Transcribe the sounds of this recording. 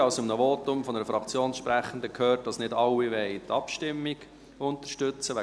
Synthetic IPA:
ɑʊsɪmnəvoːtʊmfɔnəɾəfɾɑkt͡sjoːnsʃpɾæχən̩d̪əkʰøːrt̚d̥ɑsnɪdɑlːiʋɛɪtʰɑpʃtɪmːiɡ̥ | ʊntəɾʃtʏt͡səʋæ

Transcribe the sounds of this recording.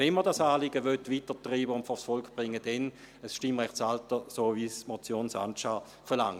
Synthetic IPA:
ɛnmədasaːlɪɡəʋøtʋitətʁiːbəʊntfɔsfɔlkʰb̥ʁɪŋːəd̥ɛn | əsʃtɪmʁɛχtsaltəsoːvismɔt͡sjoːnsa̰nʃa | fɛɐla̰ŋ

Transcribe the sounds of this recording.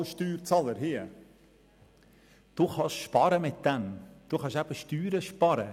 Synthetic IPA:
lʃtyːɾt͡sɑləɾɦiə | d̥uːχɑʃʃpɑɾəmɪt̚d̥̪ɛmd̥uχɑʃæb̥əʃtyːɾəʃpɑɾə

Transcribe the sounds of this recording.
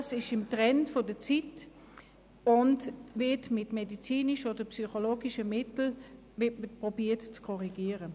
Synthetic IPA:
sɪʃɪmtʁɛntfodət͡sit | ʊntvɪtmɪtmedit͡siːnɪʃodəpsyχoloːɡɪʃəmɪtl̩ | ɪpʁobiːɐtt͡skʰɔʁiɡiːəʁə

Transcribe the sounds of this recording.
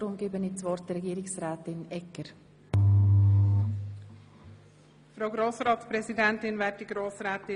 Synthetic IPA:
ɾʊmɡ̥eːbənit͡svɔrt̚d̥ɛɾɛɡiːɾɪksɾɛːtɪnɛkəɾ | fɾaɡɾoːsɾɑːtspɾɛzidɛntɪnvɛːt̚d̥iɡɾoːsɾɛːt̪ɪ

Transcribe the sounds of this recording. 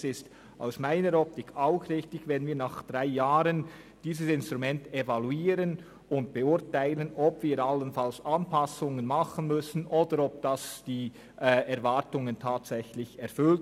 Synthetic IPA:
sɪst | ʔa̰ʊsmaɪnəɾɔp̚tɪkʰaʊxʁɪçtɪçvɛnviːɐnaχd̥ʁaɪjaːɾən | d̥iːzəsɪnstʁ̥umɛntevaluiːɾən | ʊntb̥eʊɐtaɪlənɔbv̥iːɾalːənfalsanpʰasʊŋənmaχən̩mʏsn̩ʔoːdəɾɔp̚d̥asd̥iː | ʔɛːɛɾvaɐtʊŋəntʰaːtsɛçlɪçɛɾfʏlt

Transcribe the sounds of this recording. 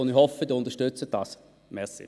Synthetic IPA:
onihɔfəd̪əʊnd̪əʃtʏt͡səd̥ɑs | mɛsḭ

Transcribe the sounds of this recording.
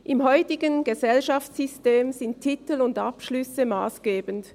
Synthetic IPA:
ʔɪmhɔʏtɪɡənɡ̥əzɛlʃaftsʏsteːmzɪnttʰːɪtl̩ʊndapʃlʏsəma̰ːsɡ̥eːbənt

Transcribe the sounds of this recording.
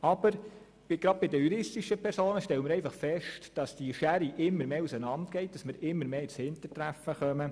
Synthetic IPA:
ɑb̥əɾ | bɪɡ̥ɾɑd̥̚bɪdəjuɾɪstiʃəpʰɛɾsoːnəʃtɛləmɪɾɛɪfɑχfɛʃtd̥ɑsd̥iʃæɾiʔɪmːəɾmeːusənɑntɡ̥ɛɪt̚d̥ɑsmɪɾɪmːəɾmeːshɪntətɾæfəχœmə

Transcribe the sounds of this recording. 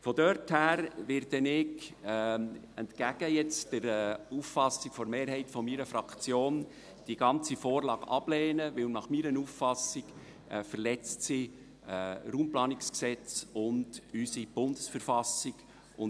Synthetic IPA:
fɔdœrthæːɾʋɪɾdɛnɪɡ | ɛntkæɡ̥əjɛt͡sd̥əɾuːffɑsɪkfɔɾmeːɾhɛɪtfɔmiːɾəfɾɑkt͡sjoːn | d̥iɡɑnt͡sifɔːrlɑːɡ̥ɑ̰b̥lɛːnəʋɪlnɑχmiːɾənuːffɑsɪɡ̥ | ɛfəɾlɛt͡stsi | ruːmplɑːnɪksksɛt͡sʊndysib̥ʊnd̥əsfəɾfɑsɪɡ | ʊn

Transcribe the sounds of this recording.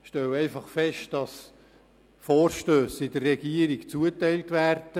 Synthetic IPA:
ʃtɛwɛɪfɑχfɛʃt̚d̥ɑs | fɔːrʃtøːsɪdərːɛɡiəɾikt͡suətɛɪltvæːrd̥ə

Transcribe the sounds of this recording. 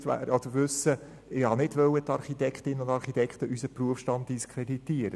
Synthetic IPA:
tʋæ̰ːɾɑd̥əʋʏsːə | ɪhɑnɪdʋœwət̪ɑɾχit̪ɛkχt̪ɪnəʊndɑɾχitɛkχt̪əʔysəpruəfʃtɑnt̚d̥iskʰɾeditiəɾə

